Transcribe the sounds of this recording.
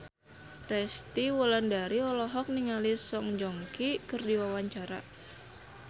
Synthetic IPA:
rɛst̪iwɔlandaɾiɔlɔɦɔk̚niŋalisɔŋd͡ʒɔŋkikɨrdiwawaɲt͡ʃaɾa̰

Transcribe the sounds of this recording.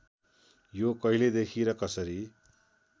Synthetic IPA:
jokʌɦiled̪ekʰiɾʌkʌsʌɾi

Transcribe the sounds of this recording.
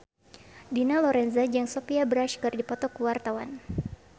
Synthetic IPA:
dinalɔɾɛnzad͡ʒaŋsɔpiabɾaʃkɨrdipɔt̪ɔkuwart̪awan

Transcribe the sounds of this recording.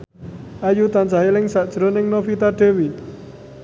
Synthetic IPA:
ʔajut̪and͡ʒaɦilɪŋsaʔd̥ʒ̥ɾonɪŋnofit̪aɖ̥e̤wi

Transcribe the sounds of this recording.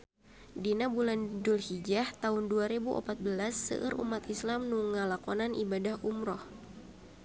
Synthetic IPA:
dinabulandulhid͡ʒaht̪aɦʊnduaɾebuʔɔ̰pat̪̚bəlasːə̰ʔə̰ɾʔṵmat̪islamnuŋalakɔnanʔibadahumɾɔh

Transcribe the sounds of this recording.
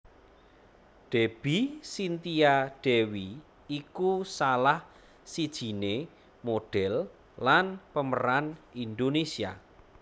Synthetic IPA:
ɖ̪̥ɛb̥isint̪iaɖ̥ɛwi | ikusalah | sid̥ʒ̥i̤ne | moɖ̥ɛlː | anpəmə̰ɾanind̪onesia̰

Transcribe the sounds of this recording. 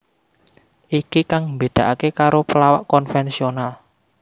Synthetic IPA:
ʔikikaŋmbe̤d̪̥ä̤ʔakekaɾopəlawaʔkɔnfɛnsional

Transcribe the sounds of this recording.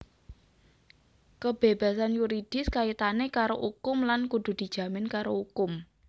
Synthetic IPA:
kəb̥eb̥a̤sanjuɾid̪̥ɪ̤skait̪anekaɾoʔukʊmlankud̪̥ṳd̪̥i̤d̥ʒ̥ä̤mɪnkaɾoukʊm

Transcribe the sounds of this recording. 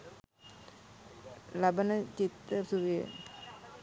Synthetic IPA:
lɐbɐnɐt͡ɕit̪ːɐsuʋijɐ̰

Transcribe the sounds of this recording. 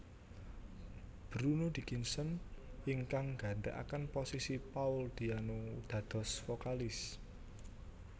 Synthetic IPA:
b̥ɾunod̪̥i̤kinsənɪŋkaŋɡ̥ä̤nt̪ɛ̰ʔa̰kənposisipaʊld̪̥i̤anod̪̥ä̤d̪̥ɔ̤sfokalɪs

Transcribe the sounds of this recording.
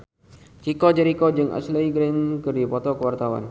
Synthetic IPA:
t͡ʃikɔd͡ʒəɾikod͡ʒɨŋʔa̰sləiɡɾenkərdipɔt̪ɔkəwart̪awa̰n

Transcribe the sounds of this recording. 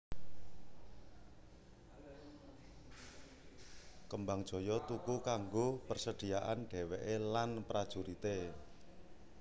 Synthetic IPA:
kəmbaŋd̥ʒ̥ɔ̤jɔt̪ukukaŋɡopərsəɖ̥i̤aʔanɖ̥ɛ̤weʔelanpɾad̥ʒ̥uɾit̪e

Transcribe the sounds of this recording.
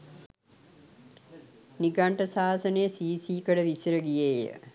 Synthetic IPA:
niɡaɳʈəsaːsənejəsiːsiːkəɖəʋisiɾəɡijejə̰

